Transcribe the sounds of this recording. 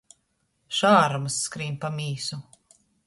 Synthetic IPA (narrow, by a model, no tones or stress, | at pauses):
ʃaːɾumɐsːkɾiːmpamiːsu